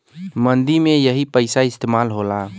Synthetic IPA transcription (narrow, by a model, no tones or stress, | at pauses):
mənd̪imejəɦipəjsaɪst̪emalɦola